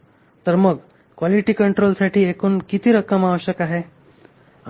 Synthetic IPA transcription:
t̪əɾməɡ | kʋaliʈiːkəɳʈɾolsaʈiːekuːnkit̪iːɾəkəmaʋəɕəkaɦe

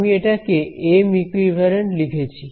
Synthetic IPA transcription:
mieʈakeʔemikɾibʱɛɾenlikʰet͡ɕʰi

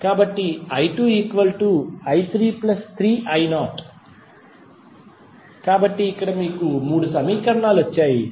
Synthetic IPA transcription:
kaːbɐʈːiɐjʈuːiːkʋɐlʈuɐjt̪ʰɾiːplɐst̪ʰɾiːʔɐjnaːʈ | kaːbɐʈːiːkːɐɽɐmiːkumuːɽusɐmiːkɐɾɐɳaːluʋɐt͡ʃːaːji

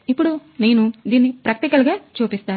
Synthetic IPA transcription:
ipːuɽune̞ːnud̪iːnːipɾɐkɐt̪ikɐlɡaːt͡ʃuːpist̪aː

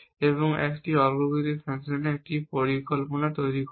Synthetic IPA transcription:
eβoŋɛ̰kʈiɔlɡoɡud̪ifʰasoneɛk̚ʈipoɾikolponat̪ojɾik

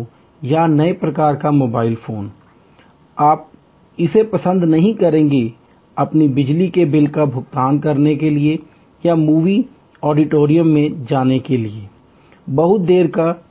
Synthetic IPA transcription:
janɐepɾɐkaːɾkamoːbaːɪlfʰoːn | aːp̚ | ɪsepɐsə̃nd̪nɐɦĩkɐɾẽːɡe | ɐpnibɪd͡ʒlikebɪlkabʱʊɡt̪aːnkɐɾnekelie | jamuːʋi | ɔːɖɪʈoːɾijə̃mːẽd͡ʒaːnekelie | bɐɦʊt̪̚d̪eːɾka

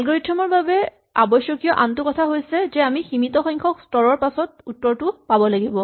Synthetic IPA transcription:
alɡɔɹitʰːɔmɔɹbabɛ | a̰bɔjsjɔkijɔʔamtʊkɔtʰaɦojsɛzɛamiximitɔxɔjŋkʰɔkstɔɹɔɹpasɔt̚utːɔɹtʊpabɔlaɡibɔ

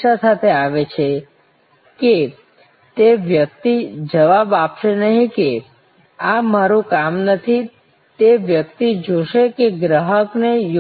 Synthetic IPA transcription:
asat̪ʰeaʋet͡ʃʰe | ke | t̪eʋjək̚t̪id͡ʒəʋabapʃenəɦĩke | amaɾũkamnət̪ʰi | t̪eʋjəkt̪id͡ʒoʃekeɡɾəɦəknej

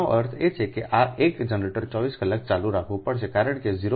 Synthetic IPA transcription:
oʔəɾt̪ʰet͡ʃʰekeʔaʔekd͡ʒənɾeʈəɾt͡ʃɔʋiskəlak̚t͡ʃalũɾakʰʋũpəɽʃekaɾəɳkeziɾo

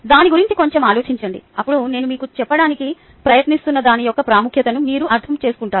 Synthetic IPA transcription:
d̪aːniɡuɾiɲt͡ʃiko̞ɲt͡ʃemaːlo̞ːt͡ʃiɲt͡ʃɐɳɖḭɐpːuɽune̞ːnumiːkut͡ʃɛpːɐɽaːniki | pɾɐjɐt̪nist̪unːɐd̪aːnijɔkːɐpɾaːmukʰjɐt̪ɐnumiːɾuʔɐɾt̪ʰɐmt͡ʃe̞ːsu̥kuɳʈaː

